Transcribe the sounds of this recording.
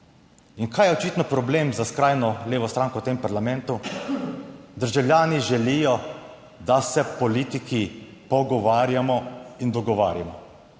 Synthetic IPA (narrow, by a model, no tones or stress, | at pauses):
iŋkaːjɛɔt͡ʃiːt̪nɔpɾɔbleːmzaskɾaːjnɔleːʋɔst̪ɾaːŋkɔwt̪empaɾlamɛnt̪u | d̪əɾʒawljaːniʒɛliːjɔ | d̪asɛpɔliːt̪iki | pɔɡɔʋaːɾjamɔind̪ɔɡɔʋa̰ːɾjamɔ